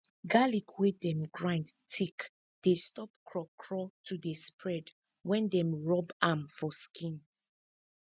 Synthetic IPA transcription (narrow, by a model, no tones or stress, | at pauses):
ɡalikʰwedɛ̃mɡɹãndtʰik | d̥estɔp̚kʰɹɔkʰɹɔtʰudespɹɛd | wɛ̃ndɛ̃mɹɔbãmfɔskʰĩn